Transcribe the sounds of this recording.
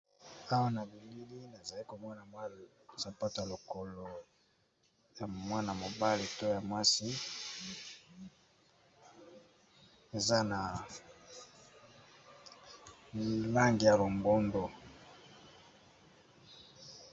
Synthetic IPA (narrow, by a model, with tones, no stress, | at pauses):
a˦wa˦na˨bi˨li˦li˦na˨za˨li˦ko˨mɔ˦na˨mwa˦ | sa˨pa˦to˨ja˨lo˨ko˨lo˨ | ja˨mwa˦na˨mo˨ba˦le˨to˦˨ja˨mwa˦si˦ | e˨za˦na˨ | la˦ŋɡi˨ja˨lo˨mbo˦ndo˨